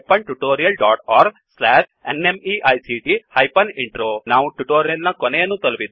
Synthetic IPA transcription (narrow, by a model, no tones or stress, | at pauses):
pɐɳʈuʈoːɾijɐlɖaːʈaːɾɡ | slaːʂḛnemiʔɐjsiʈihɐjpɐniɳʈɾoːnaːʋuʈuʈoːɾijɐlnɐkonejɐnːut̪ɐlupid̪